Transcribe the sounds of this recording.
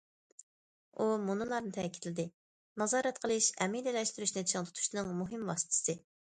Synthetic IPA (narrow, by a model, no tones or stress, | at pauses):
umunɨlˠɑɾnɨt̪ʰɛkʲi̥t̪lɪd̪ɪ | nɑzɑːɾɛt̪qʰəlˠɨʃɛmid̪ɪlɛʃt̪yɾyʃnɨʃʰŋt̪ʰu̥t̪ʰu̥ʃnɨŋmuɦɪmwɑːsɨ̥t̪ʰɨ̥sɨ